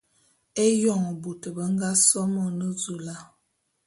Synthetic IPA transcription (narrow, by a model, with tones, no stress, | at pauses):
e˦jɔ˦˨ŋə˨bu˨tə˨bə˨˦ŋ˦ɡa˦sɔ˦mɔ˨nə˦zu˨la˦